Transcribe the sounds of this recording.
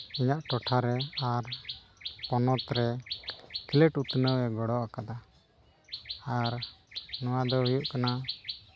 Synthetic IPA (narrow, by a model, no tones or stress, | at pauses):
iɲaʔʈɔʈʰaɾɛaɾ | pɔnɔt̪ɾɛ | kiləʈut̪nəwɛɡɔɽɔʔakad̪a | aɾnɔwad̪ɔɦujuʔkana